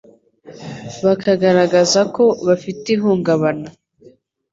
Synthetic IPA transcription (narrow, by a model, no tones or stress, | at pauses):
βakʰaɡaɾaɡazako̞βafitiɦuːŋɡaβana